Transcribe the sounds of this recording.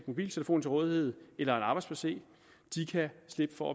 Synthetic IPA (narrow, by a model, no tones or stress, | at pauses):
d̥mo̝b̥ḭːlt͡sʰe̝ləfo̝̰ːn̩t͡sʰe̝ʁɔ̽ːðˠihe̝ð̰ˠelɐenɑ̈ːb̥ɑɪdspʰæse̝̰ː | d̥ikʰæsle̝b̥əfɒæ